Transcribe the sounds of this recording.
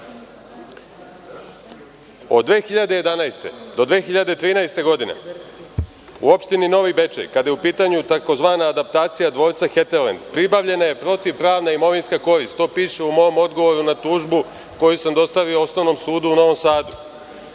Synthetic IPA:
o̞̰d̪ʋe̞ːxiʎad̪e̞je̞d̪anaest̪e̞̰d̪o̞d̪ʋe̞ːxiʎad̪e̞t̪ɾiːnaest̪e̞ɡo̞d̪ine̞̰ | ṵo̞pʃt̪inino̞ʋibe̞t͡ʃḛjkad̪jeupiːt̪aɲut̪ako̞zʋaːnaːd̪ap̚t̪aːt̪sijad̪ʋo̞ːɾt̪saxe̞t̪eɾlend̪pɾibaʋʎe̞naje̞pɾo̞t̪iʋpɾaːʋnaimo̞ʋinskako̞ɾist̪ːo̞ːpiːʂeumo̞jomo̞d̪ɡo̞ʋo̞ɾunat̪uːʒbu | ko̞jusamd̪o̞st̪aʋioo̞sno̞ʋnomsuːd̪uːno̞ʋomsaːd̪u

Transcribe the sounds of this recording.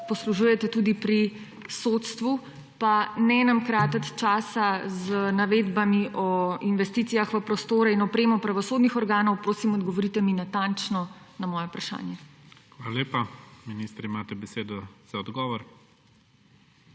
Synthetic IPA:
pɔsluʒujɛt̪ɛt̪uːd̪ipɾi | sot̪st̪ʋu | panɛnamkɾaːt̪ət̪t͡ʃaːsazənaʋeːd̪bamiʔɔinʋɛst̪iːt̪ijaxʋəpɾɔst̪oːɾɛinɔpɾeːmɔpɾaʋɔsoːd̪nixɔɾɡaːnɔwpɾoːsimɔd̪ɡɔʋɔɾiːt̪ɛminat̪ant͡ʃnɔnamɔːjɔpɾaʃa̰ːnjɛxʋaːlaleːpaminist̪ɾimaːt̪ɛbɛseːd̪ɔz̥aɔd̪ɡɔːʋɔɾ

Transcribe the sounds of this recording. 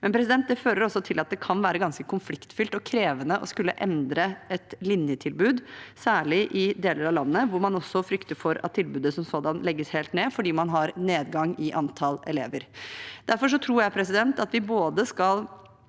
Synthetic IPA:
mɛnpʰɾɛs̬ɪd̪ɛnt̪̚d̪ɛføːɾəɾɔsːɔt̪ʰɪlɑt̪̚d̪ɛkʰɑnʋæːɾəɡɑnskəkʰʊnflɪkt̪fʏlt̪ɔkʰɾeːʋənəʔɔ̰skʉlːə̰ʔɛnd̪ɾəɛt̪lɪnjət̪ʰɪlbʉːd̪sæːɭɪʔɪd̪eːləɾɑʋlɑnːəʋʊɾmɑnɔsːɔfɾʏkt̪əɾfɔɾɑ̰t̪ʰːɪlbʉːd̪əsɔmsoːd̪ɑnlɛɡːəsheːlt̪neːfɔɖiːmɑnɦɑɾneːd̪ɡɑŋɪʔɑnt̪ʰɑlɛ̰lḛːʋəɾd̪̥æɾfɔʂ̬ɔt̪ʰɾuːɾjæɪpʰɾɛsɪd̪ɛnt̪ɑt̪ʋɪboːd̪əskɑl

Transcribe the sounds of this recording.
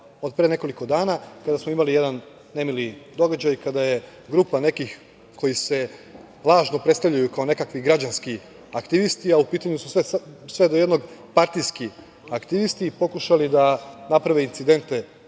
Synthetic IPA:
o̞d̪̚pɾene̞ko̞liko̞d̪aːnakad̪asmoimalijed̪anː | e̞milid̪o̞ɡad͡ʑajkad̪aje̞ | ɡɾuːpane̞kix | kʰo̞jise̞ | lˠaːʒno̞pɾet̪st̪aʋʎajukaone̞kakʋiɡɾad͡ʑanski | akt̪iʋist̪iaupiːt̪aɲusu̥sʋesʋe̞d̪ojed̪no̞ɡpaɾt̪ijski | akt̪iʋist̪ipo̞kuʃalid̪anapɾaʋeint̪sid̪e̞nt̪e̞

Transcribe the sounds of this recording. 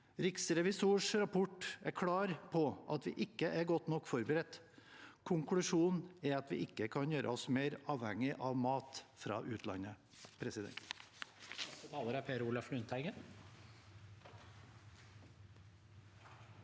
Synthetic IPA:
ɾɪksɾɛʋɪsuːʂɾɑpʰɔʈækʰɽɑːɾpʰɔʔɑt̪ʋɪ̰ːʔɪkːəʔæɾɡɔt̪nɔkːfɔɾbəɾɛt̪ː | kʰʊŋkʰlʉʂuːnɛɑt̪ʋɪ̰ʔɪkːəkʰɑnjøːɾʔə̰ɔsmeːɾɑːʋhɛŋɪʔɑʋmɑːt̪fɾɑ̰ːʔʉːt̪ʰlɑ̰nːə | pʰɾɛsɪd̪ɛ̰nt̪ | ət̪ʰɑːləɾæpʰeːɾuːlɑflʉnt̪ʰæɪɡən

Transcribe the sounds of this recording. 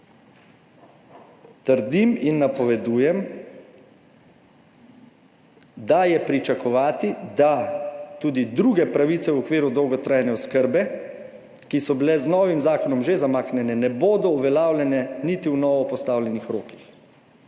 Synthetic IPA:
t̪əɾd̪iminːapɔʋɛd̪uːjɛm | d̪ajɛpɾit͡ʃakɔʋaːt̪id̪at̪uːd̪id̪ɾuːɡɛpɾaʋit̪sɛwɔkʋeːɾud̪ɔwɡɔt̪ɾaːjnɛɔskəɾbɛ | kisɔbilɛznɔːʋimzaːkɔnɔmʒezamaːknɛnɛnɛboːd̪ɔuʋɛlaːwlʲɛnɛnit̪iwnɔʋɔpɔst̪aːwlʲɛnixɾoːkix

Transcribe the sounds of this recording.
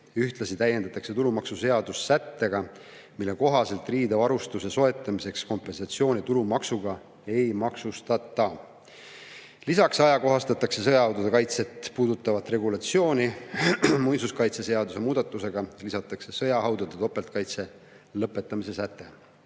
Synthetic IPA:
yht̪lɑsit̪æjend̪ɑt̪ːˑɑkse̞t̪ulumɑksuse̞ɑd̪̥ussæt̪ːe̞ɡ̥ɑ | milːe̞ko̞ɦɑse̞lt̪ˑriːd̪evɑɾust̪useso̞e̞t̪ːˑɑmise̞ksko̞mpːˑe̞nsɑt̪sio̞ːnʲit̪ulumɑksuɡɑ | e̞jmɑksust̪ɑt̪ːˑɑ | lisɑksɑjɑko̞ɦɑst̪ɑt̪ːˑɑkse̞s̬ɤjɑɦɑwd̪ud̪ekɑjt̪se̞t̪ˑpuːd̪ut̪ːˑɑvɑt̪ːˑre̞ɡulɑt̪sio̞ːnʲi | mujsuskɑjt̪se̞se̞ɑd̪use̞muːd̪̥ɑt̪ːˑuse̞ɡ̥ɑlisɑt̪ːˑɑkse̞sɤjɑɦɑwd̪ud̪et̪o̞pːˑelt̪̚kɑjt̪se̞ | lɤpːˑe̞t̪ːˑɑmis̬e̞sæt̪ːˑe̞

